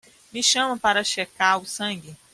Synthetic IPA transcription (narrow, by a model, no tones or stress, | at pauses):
mɪʃɐ̃mɐpaɾɐʃekaɾʊsɐ̃ɡɪ